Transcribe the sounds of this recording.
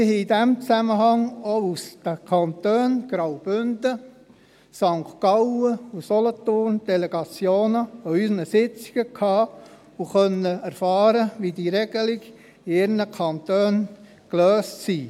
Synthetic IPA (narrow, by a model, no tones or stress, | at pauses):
mɪɦɛidæmt͡sæməɦɑŋousd̥əkʰɑnt̪øːnɡ̥ɾawb̥ʏnd̥ə | sɑŋktkɑwəusɔlət̪ʊrnd̥ɛleɡ̥ɑt͡sjoːnəɔysnəsɪt͡si̥ɡ̥əkʰhɑː | uχœnːəæɾfɑːɾəʋid̥iɾɛɡ̥əliɡ | ɪɾnəkʰɑnt̪øːn | kløːstsi